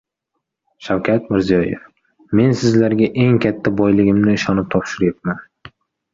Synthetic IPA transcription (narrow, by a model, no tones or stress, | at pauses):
ʃawkʲʰat̪mɪɾzijɒjḛf | me̞nsɪzlaɾɡʲaʔe̞ŋkʲʰat̪ʰːabɒjlɪɡʲɪmnɪːʃɒnɪp̚t̪ʰɒpʃɪɾjet̪̚man